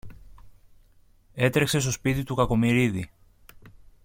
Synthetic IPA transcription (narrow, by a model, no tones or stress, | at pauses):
e̞t̪ɾe̞kse̞st̪o̞spit̪it̪ukɐko̞miɾiði